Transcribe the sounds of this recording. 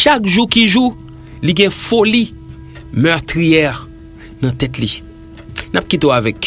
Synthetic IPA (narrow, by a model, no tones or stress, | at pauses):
ʃakʒukiʒu | liɡɛ̃foli | mœʁt̪ʁijɛ | nɐ̃t̪ɛtli | nap̚kit̬eoavɛk